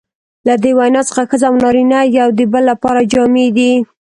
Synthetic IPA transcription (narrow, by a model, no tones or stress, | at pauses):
lad̪ewajnɑt͡sə̥xaxəzawnɑɾinajawd̪əbəlːapɑɾad͡ʒɑmed̪i